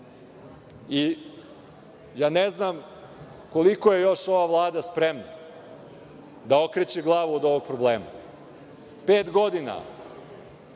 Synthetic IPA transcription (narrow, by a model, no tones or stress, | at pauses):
i | jaːneznam | ko̞liko̞je̞jo̞ʃo̞ʋaʋlˠaːd̪aspɾemna | d̪ao̞kɾet͡ɕeɡlˠaːʋuod̪o̞ʋo̞ɡ̚pɾobleːma̰ | peːt̪ɡo̞d̪ina̰